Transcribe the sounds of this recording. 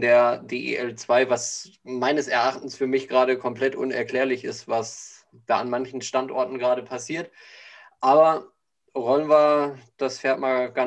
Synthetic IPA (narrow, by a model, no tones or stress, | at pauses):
deːɐdeːʔːʔɛlt͡sv̥aɪvas | maɪnəsɛɐʔaχtn̩sfyːɐmɪçɡ̥ʁaːɾəkʰɔmpl̥ɛtʔʊ̰nɛ̰ɐkl̥eːɐlɪçɪ̰stvas | d̥aːanmançn̩ʃtantʔɔɐtn̩ɡʁaːɾəpʰasiːɐt | ʔaːbɐ | vɔlənvad̥asfeːɐtmaːɡ̥a